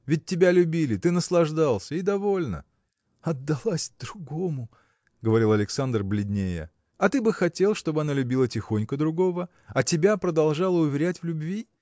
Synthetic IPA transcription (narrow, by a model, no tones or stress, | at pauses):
vʲɪt̚ʲtʲːɪbʲalʲʉbʲilʲɪt̪ɨnəslˠɐʐd̪alˠsʲəid̪ɐvo̞lʲnə̰ | ɐd̪ːɐlˠasʲd̪ɾʊɡomʊ | ɡəvɐɾʲilˠɐlʲɪksand̪rblʲɪd̪ʲnʲejə̰ | ɐt̪ɨbɨxɐtʲe̞lˠʂt̪o̞bɨɐnalʲʉbʲilˠətʲɪxonʲkəd̪ɾʊɡo̞və | ɐtʲɪbʲapɾəd̪ɐlˠʐɑlˠəʊvʲɪɾʲætʲvlʲʊbvʲi